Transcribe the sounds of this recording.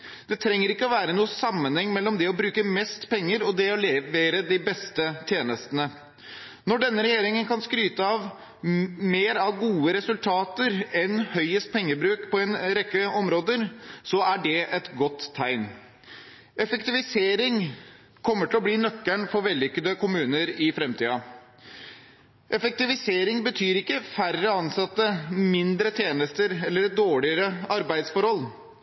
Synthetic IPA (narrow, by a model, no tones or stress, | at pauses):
d̪̥ɛt̪ʰɾɛŋːəɾɪkːəɔʋæːɾənuːəsɑmːənhɛŋːmɛlːɔmd̪ɛɔbɾʉːkəmɛst̪pɛŋːəɾɔd̪ɛɔlɛʋeːɾəd̪ɪbɛst̪ət̪ʰjeːnəst̪ənə | nɔɖɛnːəɾɛjeːɾɪŋənkɑnskɾyːt̪əɑʋ | meːɾɑʋɡuːəɾɛsʉlt̪ʰɑːt̪əɾɛnhœʏəst̪̚pʰɛŋːəbɾʉːkpʰɔɛnɾɛkːəɔmɾoːd̪əɾsɔæɖɛʔɛt̪ɡɔt̪ʰːæɪn | ʔɛfəkt̪ɪʋɪseːɾɪŋ | kʰɔmːəʈɪlɔbliːnœkːæɳfɔɾʋɛlːʏkːəd̪əkʰʊmʉːnəɾɪfɾɛmt̪ʰiːɑ | ʔɛfək̚t̪ɪʋɪseːɾɪŋbət̪ʰyːɾɪkːəfærəɑnsɑt̪ːəmɪnd̪ɾət̪ʰjeːnəst̪əɾɛlːəɾd̪oːɭɪəɾəɑɾbæɪd̪sfɔɾhɔl